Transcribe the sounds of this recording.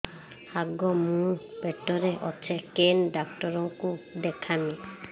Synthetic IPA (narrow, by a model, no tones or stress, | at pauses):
haɡɔmũpeʈɔɾeʔɔt͡ʃʰekenɖak̚ʈɔɾɔŋkud̪ekʰami